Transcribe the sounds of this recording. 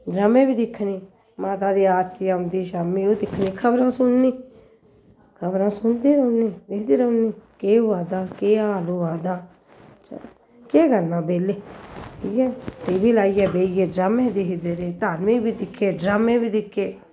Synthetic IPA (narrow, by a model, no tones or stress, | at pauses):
ɖɾaːmẽːbiːd̪ɪkʰːniː | maːt̪̬aːd̪iːaːɾt̪ʰːaːʊnd̪iːʃaːmiːoːd̪ɪkʰːniːkʰəbɾãːsʊnːiː | kʰəbɾãːsʊnd̪eːɾəːniːd̪ɪkʰd̪eːɾəniːkeːʊaːd̪aːkeːaːloːaːd̪aː | keːɡənːãːbeːleːʈʰiːkɛːt̪eːbiːlaːiːɛːbeːiɛːɖɾaːmẽːd̪ɪkd̪eːɾeːt̪aːnmẽːbiːd̪ɪkʰːeːɖɾaːmẽːbiːd̪ɪkʰːeː